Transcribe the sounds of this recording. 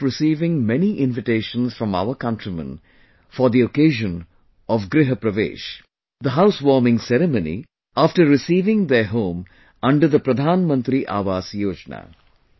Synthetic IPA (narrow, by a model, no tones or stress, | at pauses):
ɾɪsiːʋɪ̃ŋmɛniʔɪ̃nʋɪʈeːʃə̃nsfɾɔ̃ma̰ʊəkʌ̃ɳʈɾimə̰̃n | fɔɾd̪iokeːʒə̃n | ɔʋɡɾɪɦəpɾɐʋḛːʃ | d̪əɦaʊsʋɔːɾmɪ̃ŋsɛɾɪmonḭ | aːfʈəɾːɪsiːʋɪ̃ŋd̪əɦõːm | ɐ̃ɳɖəɾd̪əpɾɐd̪ʱaːnmə̃nt̪ɾiʔa̰ːʋaːsjoːd͡ʒna̰ː